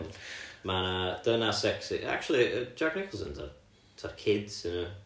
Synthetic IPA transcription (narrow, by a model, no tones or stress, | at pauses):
manad̥ənasɛksiʔa̰k̚t͡ʃulˠiə̥d͡ʒaɡnɪkʰlˠzə̃ntʰa̰ | tʰarkʰɪdsɪnə